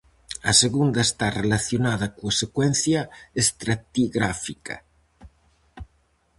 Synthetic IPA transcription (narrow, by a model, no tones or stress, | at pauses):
ɐseɣund̪ɐest̪arelaθjonaðɐkuasekwɛn̟θjɐest̪ɾat̪iɣɾafikɐ̰